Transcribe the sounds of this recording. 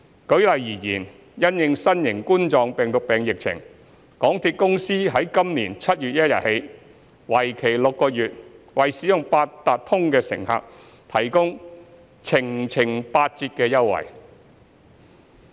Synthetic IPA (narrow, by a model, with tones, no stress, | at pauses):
kɵ˨˥ɥlɐ˨˧jjiː˨˩jḭː˨˩n | jɐ˥njɪ˨˧ŋsɐ˥njɪ˨˩ŋkuː˥nt͡ʃɔː˧ŋpɛː˨˩ŋt̪ʊ˨˧k̚pɛː˨ŋjɪ˨k̚t͡sʰɪ̰˨˩ŋ | kɔː˨˥ŋt̪ʰiː˧t̚kʊ˥ŋsiː˥ɦɐ˨˥jkɐ˥mniː˨˩nt͡sʰɐ˥t̚jyː˨t̚jɐ˥t̚jɐ̰˨t̚he˨˧j | wɐ˨˩jkʰe˨˩jlʊ˨kːɔː˧jyː˨t̚ | wɐ˨˩jsiː˨˥jʊ˨˩ŋpaː˧t̚t̪aː˨t̚t̪ʰːʊ˥ŋkɛː˧sɪ̰˨˩ŋha̰ː˨˧k̚ | t̪ʰɐ˨˩jkʊ˥ŋ | t͡sʰɪ˨˩ŋt͡sʰɪ˨˩ŋpaː˧t̚t͡siː˧t̚kɛː˧jɐ˥wːɐ̰˨˩j